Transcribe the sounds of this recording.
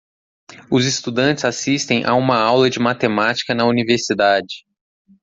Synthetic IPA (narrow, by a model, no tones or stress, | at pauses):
ʊzɪst̪ud̪ɐ̃nt͡ʃɪz̥asist̪ẽj̃ʔa̰ũmɐawlɐd͡ʒɪmat̪emat͡ʃi̥kɐnɐuniveɾsid̪ad͡ʒɪ